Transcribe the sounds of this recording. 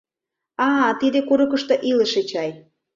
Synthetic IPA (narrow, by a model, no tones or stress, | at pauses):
ɑt̪id̪ekuɾukə̆ʃt̪ŏʔilə̆ʃet͡ɕɑj